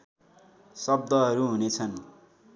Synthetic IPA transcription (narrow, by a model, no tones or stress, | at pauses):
sʌb̚d̪ʌɦʌɾuɦunet͡sʰʌn